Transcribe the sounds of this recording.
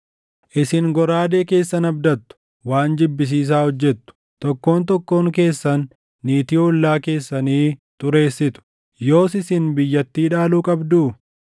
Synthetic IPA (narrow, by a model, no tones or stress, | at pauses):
ʔɪsɪŋɡɔɾaːd̪e̞ːke̞ːsːɐnɐbd̪ɐt̪ːʊ̥ | waːnd͡ʒɪbːɪs̬iːs̬aːhɔd͡ʒːɛt̪ːʊ̥ | t̪ɔkːo̞ːnt̪ɔkːo̞ːŋke̞ːsːɐnː | iːt̪iːʊlːaːke̞ːsːɐniːt̪ʼʊɾe̞ːsːɪt̪ʊ̥ | jo̞ːsɪsɪnbɪjːɐt̪ːiːᶑaːluːkʼɐbd̪uː